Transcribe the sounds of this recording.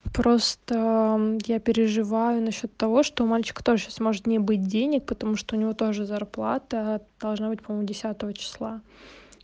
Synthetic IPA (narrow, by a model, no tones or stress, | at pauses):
pɾo̞st̪əjapʲɪɾʲɪʐɨvajʊnɐɕːo̞t̪ːɐvo̞ʂt̪o̞ʊmalʲt͡ɕɪ̥kə̥t̪o̞ʐɨɕasmo̞ʐɨt̪nʲɪbɨt̚ʲdʲenʲɪk̚pət̪ɐmuʂt̪oʊnʲɪvo̞t̪o̞ʐɨzɐrplˠa̰t̪əd̪̥ɐlˠʐnabɨtʲpɐmomʊdʲɪsʲat̪əvət͡ɕɪ̥slˠa